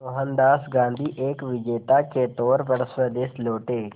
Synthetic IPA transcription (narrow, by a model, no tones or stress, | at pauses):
oɦənd̪aːsɡãːnd̪ʱiʔeːkʋɪd͡ʒeːt̪aket̪ɔːɾpɐɾsəd̪eːsloːʈeː